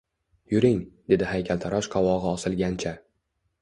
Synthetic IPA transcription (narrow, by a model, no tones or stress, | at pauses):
jʊɾɪŋd̪̥e̞d̪ɪhajkʲʰalt̪ʰaɾɒʃqʰɒwɒʁɨɒsɪlˠɡʲant͡ʃʰa